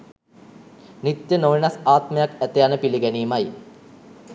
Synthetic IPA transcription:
nit̪jənoʋinasaːt̪mejakæt̪ejanəpiliɡɛniːmaj

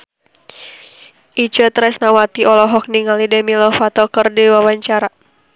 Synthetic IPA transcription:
ʔit͡ʃət̪ɾɛsnawat̪iɔlɔɦɔk̚niŋalidɛmilɔfat̪ɔkərdiwawaɲt͡ʃaɾa

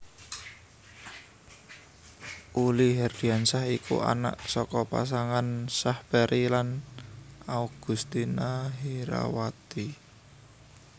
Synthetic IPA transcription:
ʔuliɦɛrd̪̥iansahikṵʔa̰na̰ʔsɔkɔpa̰s̬aŋansahpɛɾʔilan | auɡ̥ṳst̪inaɦiɾa̰wat̪i

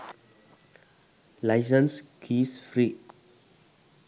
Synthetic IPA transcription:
lajs̬ə̃nskʰisfɹi

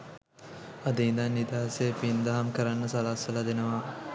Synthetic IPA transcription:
ad̪əind̪anːid̪aːasejəpind̪ɐɦamkəɾanːəsalasʋəlad̪enəʋa

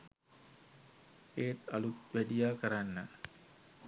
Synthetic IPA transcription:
eːt̪alut̪ʋædijaːkəɾanːə

